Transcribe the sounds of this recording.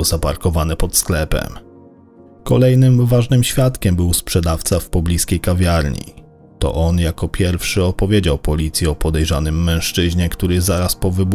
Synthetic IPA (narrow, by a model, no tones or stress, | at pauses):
zapaɾkɔvanɛpɔt̪sklɛpɛ̰m | kɔlɛjnɘmvaʐnɘmɕfʲjat̪kʲɛmbɘwspʂɛd̪aft̪safpɔblʲiskʲejkavʲjaɾɲḭ | t̪ɔ̰ʔɔnjakɔpʲjɛɾfʂɘɔpɔvʲjed͡ʑawpɔlʲit̪sʲjɛɔpɔd̪ɛjʐanɘmːɛ̃w̃ʂt͡ʂɘʑɲɛkt̪uɾɘzaɾaspɔvɘb